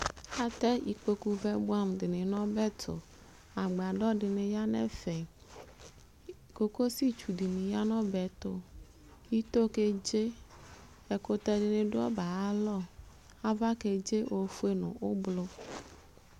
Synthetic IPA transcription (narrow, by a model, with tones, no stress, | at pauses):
a˦t̪ɛ˦ʔḭ˨k͡pe˦ku˦vɛ˦bu˦a˦mdɪ˨nɪ̃˨nɔ̃˦bɛ˦t̪ʰo̰˨ | a˨ɡ͡be˨a˨ɖɔ˦ɖɪ˨nẽ˨ja˦nɛ̰̃˦fɛ˨ | ko˦ko˦si˦t͡ʃu˨ɖi˨nĩ˨ja˦nɔ̃˦bɛ˨t̪o˦ | ji˦t̪o˦ke˦d͡ʒe˦ | ɛ˨ko˦t̪ɛ˦ɖɪ˨nẽ˨ɖo˦ɔ˦ba˨a˦lɔ˦ | a˦va˦ke˨d͡ʒe˦ʔo˨fu˦e˦nõ̰˨o˦blo˦